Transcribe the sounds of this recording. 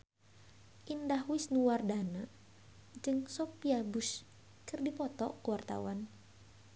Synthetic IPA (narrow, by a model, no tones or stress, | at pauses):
ʔindahwɪsnuwardana | d͡ʒɨŋsɔpiabʊs | kɨrdipɔt̪ɔ̰kuwart̪a̰wan